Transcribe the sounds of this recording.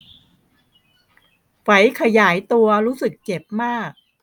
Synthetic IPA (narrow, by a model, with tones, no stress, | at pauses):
wa˩˦jkʰa˧jaː˩˦jt̪u˧ɐɾuː˦˥sɯ˨˩k̚t͡ɕe˨˩p̚maː˥˩k̚